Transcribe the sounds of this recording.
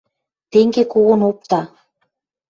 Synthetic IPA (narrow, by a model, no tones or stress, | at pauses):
t̪eŋɡekoɣɤ̆nop̚t̪ɑ